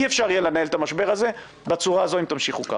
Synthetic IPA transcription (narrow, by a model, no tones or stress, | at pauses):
iefʃaʁijelenahelt̪amaʃbe̞ʁaze̞ | bat͡suʁaːzo̞imt̪amʃiχuka̰